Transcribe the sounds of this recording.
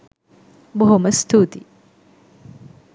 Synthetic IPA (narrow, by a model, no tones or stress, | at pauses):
boɦoməst̪ʰuːt̪i